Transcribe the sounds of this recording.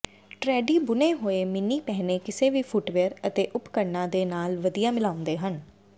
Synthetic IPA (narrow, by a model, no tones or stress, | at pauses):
ʈɾɛːɖiːbʊneːɦoːeːmɪniːpɛɦneːkɪseːʋiːpʰʊʈʋeːəɾət̪eːʔʊpkəɾnãːd̪eːnaːlʋəd̪ijaːmɪlaːʊ̃nd̪eːɦən